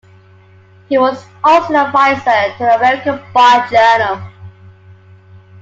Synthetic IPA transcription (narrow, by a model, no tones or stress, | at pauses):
hiwɔz | ɔlˠsoəvaɪzətʰəəmɛɹɪkəbaɪd͡ʒɜːnəlˠ